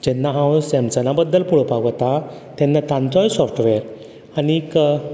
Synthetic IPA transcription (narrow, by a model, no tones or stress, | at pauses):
d͡ʑɛnːaɦãwsɛmt͡sənabəd̪ːəlpuɭopaɡʋət̪a | t̪ɛnːat̪ãnt͡sɔjsɔfʈʋɛɾ | anikə